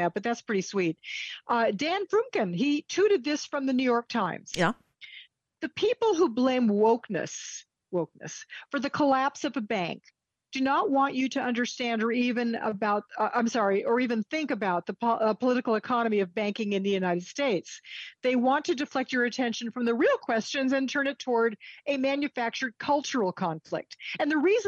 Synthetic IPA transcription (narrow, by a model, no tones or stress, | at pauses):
æt̚b̥ʌt̪̚ðætspʰɹ̥ɪɾiswit̪̚ | dæ̃nfɹʉ̃mkɨ̃nitʰʉɾɨd̪̚ðɪsfɹʌ̃mðɨnʉjɔɹk̚tʰãɪ̃mz̥ | ðɨpʰipl̩ˠɦublẽɪ̃mwoʊknɨ̰s | woʊk̚nɨ̰sfə˞ðɨkʰəlæpsʌvɨbæ̃ŋk̚ | d̥ɨnəʔ̚wɑ̃nt͡ʃɨɾɨʌ̃ndə˞stæ̃ndə˞ivɨ̃nə̰baʊt̚ʌʔãɪ̃msɑɹiʔə˞ivɨ̃nθɪ̃ŋkɨbaʊt̪̚ðəpʰpʰəlɪɾɨkl̩ˠəkʰɑnɨmiʌvbæ̃ŋkɪ̃ŋɨ̃nðɨjʉnaɪɾɨd̥steɪtsðeɪwɑ̃ntʰɨdɨflɛk̚t͡ʃə˞ɨtʰɛ̃nʃɨ̃n̩fɹʌ̃mðɨɹilˠkʰw̥ɛst͡ʃɨ̃nzɨ̃ntʰɜ̃˞nɨtʰɔɹɾɨmæ̃njɨfæk̚t͡ʃə˞d̚kʰʌlˠt͡ʃə˞l̩ˠkʰɑ̃ɱflɪ̰k̚tɨ̃nðɨɹiz